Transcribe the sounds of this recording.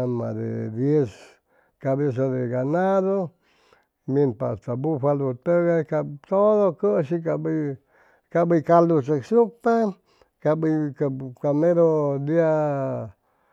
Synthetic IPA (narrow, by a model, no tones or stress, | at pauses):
mã̰d̪ḛd̪jes | kabes̬oðeɡanaðo | mĩnpa̰st̪abufʷalut̪eɣakat̪oðokəʃikabi | kabikalut͡ʃaksupa | kabikakamẽɾod̪ia